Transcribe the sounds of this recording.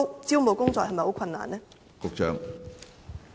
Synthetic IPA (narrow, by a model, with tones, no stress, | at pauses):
t͡siː˥wmo˨˩wkʊ˥ŋt͡sɔː˧˨hɐ˨jmɐ˨jho˨˥kʰɐ˧nːa̰ː˨nlɛː˥ | kʊ˨˧k̚t͡ʃœ̰ː˧˥ŋ